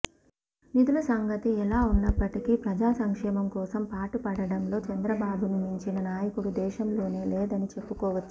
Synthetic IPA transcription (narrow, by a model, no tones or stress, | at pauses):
nid̪ulɐsɐŋɡɐt̪iɛlaːunːɐpːɐʈikipɾɐd͡ʒaːsɐŋkʂɛːmɐmkɔːsɐmpaːʈupɐɽɐɽɐmlo̞ːt͡ʃɐnd̪ɾɐbaːbununuɲt͡ʃinɐnaːjɐkuɽud̪ɛːʃɐmlo̞ːne̞ːleːd̪ɐnit͡ʃe̞pːukɔːʋɐt͡ʃːu̥